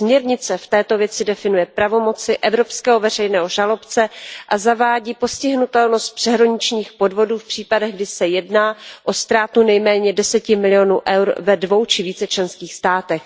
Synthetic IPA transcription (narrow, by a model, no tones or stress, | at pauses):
smɲɛɾɲɪt͡sɛft̪ɛːt̪o̞vjɛt͡sɪdɛfɪnujɛpɾavo̞mo̞t͡sɪʔɛvɾopskɛːɦo̞vɛrɛjnɛːɦo̞ʒalo̞pt͡sɛʔazavaːɟiːpo̞scɪɦnut̪ɛlno̞st̪̚pr̥ɛɦɾoɲɪt͡ʃɲiːxpo̞dvo̞duːfpr̥iːpadɛɣɡdɪsɛjɛdnaːʔo̞st̪ɾaːt̪unɛjmɛːɲɛdɛsɛcɪmɪlɪjo̞nuːʔɛwɾvɛdvo̞wt͡ʃɪviːt͡sɛt͡ʃlɛnskiːxst̪aːt̪ɛx